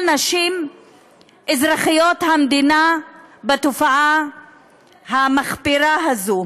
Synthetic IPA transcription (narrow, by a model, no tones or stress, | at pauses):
naʃim | ʔezʁaχijot̪hamd̪inabet̪ofaʔa | hamaχpiɾaɦazu